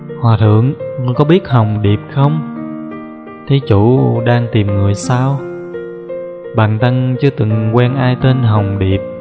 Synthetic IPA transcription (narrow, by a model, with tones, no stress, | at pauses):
hwaː˨˩t̪ʰɨ̰˧˨əŋ˨kɔ˨˦ɓi˦˥ət̚ɦə˨˩wŋ͡mɗi˨˩əp̚xə˧wŋ͡m | t̪ʰi˨˦t͡ɕu˧˥ɗaː˧ŋt̪i˨˩mŋɨ˨˩əjsaː˧w | ɓa̰ː˧˨nt̪a˧ŋt͡ɕɨ˧t̪ɨ˨˩ŋkwɛ˧nʔaː˧jt̪e˧nɦə˨˩wŋ͡mɗi˨˩əp̚